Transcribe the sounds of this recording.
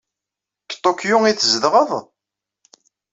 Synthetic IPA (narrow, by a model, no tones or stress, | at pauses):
kt̪ˤːokjuiθzðʁəðˤ